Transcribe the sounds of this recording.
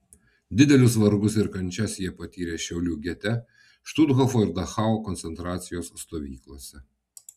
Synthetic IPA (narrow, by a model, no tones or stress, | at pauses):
d̪ʲɪd̪ʲɛlʲʊs̬ʋɐɾɡʊs̬ɪɾkɐnʲt͡ʃʲɛsjiɛpɐt̪ʲiːɾʲeːʃʲɛʊlʲuːɡʲɛt̪ʲɛ | ʃt̪ʊd̪ɣɔfoːɪɾd̪ɐxɑːokɔnʲt̪ʲɛnt̪ɾɑːt̪sʲɪjoːsːt̪oːʋʲḭːklˠoːsʲɛ